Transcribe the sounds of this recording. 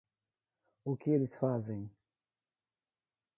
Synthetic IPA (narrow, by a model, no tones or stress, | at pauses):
ʊkɪelɪsfazẽj̃